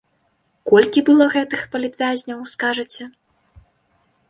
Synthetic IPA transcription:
kɔlʲkʲibɨlˠɔɣɛt̪ɨxpɐlʲit̪vʲazʲnʲɐwskaʐɨt͡sʲɛ

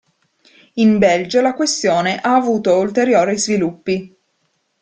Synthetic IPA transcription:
imbɛld͡ʒalakwest̪joːneʔaːvuːt̪oult̪eɾjoːɾizvilupːi

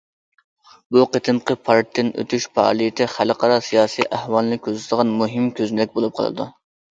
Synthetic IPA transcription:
buqət̪ʰɨmqəpʰɑɾtt̪ʰːɪnø̰t̪ʰyʃpʰɑɑ̰lˠijt̪ʰɪχælɨqʰɑɾɑsijɑːsiʔæhwɑlˠnɨkʲʰøzt̪ʰd̪əʁɑnmuɦɨmkʲʰøznd̪ɛk̚ʲbolˠup̚qʰɑ̰lˠɨ̰d̪ṵ

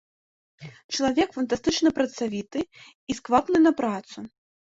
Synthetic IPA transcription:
t͡ʂɐlˠavʲɛkfɐnt̪ast̪ɨt͡ʂnɐpɾɐt̪savʲit̪ɨ | iskvapnɨnɐpɾat̪su

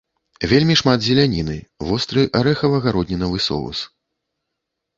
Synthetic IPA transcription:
vʲelʲmʲiʂmad̪zʲɛlʲanʲinɨvɔst̪ɾɨʔaɾɛxɐvɐɣaɾɔd̪ʲnʲinɐvɨsɔ̰vṵs

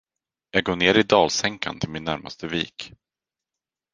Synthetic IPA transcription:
jɑːɡ̚ɡoːɳeːɾɪd̪ɑːlsɛŋka̰nt̪ʰɪlmɪnːæɾma̰st̪əviːk

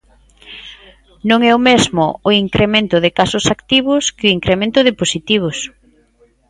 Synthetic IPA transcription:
nõŋɛʊmezmʊːiŋkɾʔemẽnt̪ʊðɪkasʊsakt̪iβʊskɪʊiŋkɾemẽnt̪ʊðɪposit̪iβ̞ʊs

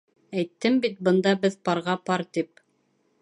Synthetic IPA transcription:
æjt̪ːɘmbit̪̚bɤ̆nd̪ɑbɘðpɑɾʁɑpɑɾt̪ip

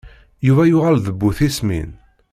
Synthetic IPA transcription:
juvæjʊʁælðəbːuθismḭn

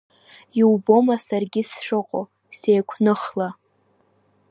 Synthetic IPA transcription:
iwbo̞masarɡʲɪsʂɨqʼo̰ | sejkʷʰnɨχla

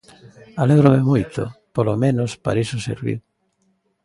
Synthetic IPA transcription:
aleɣɾomemojt̪o̰polomẽnospa̰ɾisosḛɾβḭ

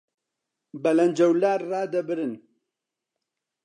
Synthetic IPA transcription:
bɐlɐnd͡ʒɐwlaːɾraːd̪ɐbɨɾɨn

